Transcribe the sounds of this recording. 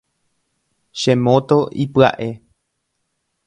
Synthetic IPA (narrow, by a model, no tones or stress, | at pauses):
ʃẽmõt̪oʔipɨa̰ʔe̞